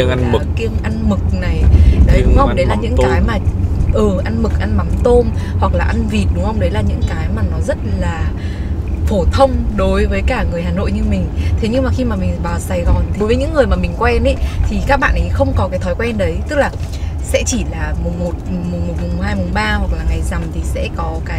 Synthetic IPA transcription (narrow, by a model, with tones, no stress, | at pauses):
i˧ŋ˧˨˩ki˧əŋʔa˧nmɨ˨˩k̚na˨˩jɗə˨˦ɗʊ˨˦ŋ͡mhə˧ŋ͡mɗə˨˦jlaː˨˩ɲɨ̰˧˥ŋkaː˧˨˦jmaː˨˩ʔɨː˨˩ʔa˧nmɨ˨˩k̚ʔa˧nma˨˦mt̪o˧mhwa˨˩k̚laː˨˩ʔa˧nvi˨˩t̚ɗʊ˨˦ŋ͡mhə˧wŋ͡mɗə˨˦jlaː˨˩ɲɨ̰˧˥ŋkaː˨˦jmaː˨˩nɔ˨˦zə˦˥t̚laː˨˩ | fo˧˩t̪ʰə˧wŋ͡mɗo˨˦jvəː˨˦jkaː˧˩ŋɨ˨˩əjɦaː˨˩no̰˧˨jɲɨ˧mï˨˩ŋ̟t̪ʰe˨˦ɲɨ˧ŋmaː˨˩xi˧maː˨˩mï˨˩ŋ̟ɓaː˨˩wsa˧˩jɣɔ˨˩no˨˦jvəː˨˦ɲɨ̰˧˥ŋːɨ˨˩əjmaː˨˩mï˨˩ŋ̟kwɛ˧nʔe˨˦t̪ʰi˨˩kaː˦˥k̚ɓa̰ː˧˨nʔə˨˦jxə˧wŋ͡mkɔ˨˦kaː˨˦jt̪ʰɔ˨˦jkwɛ˧nɗə˨˦jt̪ɨ˦˥k̚laː˨˩ | sɛ̰˧˥t͡ɕi˧˩laː˨˩mʊ˨˩ŋ͡mmo˨˩t̚m̚˨˩mo˨˩t̚mʊ˨˩ŋ͡mhaː˧jmo˨˩ŋ͡mɓaː˧hwa˨˩k̚laː˨˩ŋa˨˩jza˨˩mt̪ʰi˨˩sɛ̰˧˥kɔ˨˦kaː˨˦